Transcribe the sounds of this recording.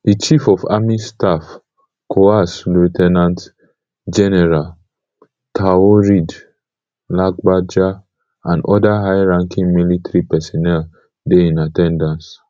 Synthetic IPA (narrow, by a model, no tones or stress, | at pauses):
dit͡ʃifɔfa̰mistaf | kʰoaslutʰɛnãnt | d͡ʒɛnɛɹal | tʰaoɹid | lak̚bad͡ʒa | ãndʔɔdaɦajɹãŋkʰĩŋmilitɹipɛsɔnɛl | deĩnatɛ̃ndãns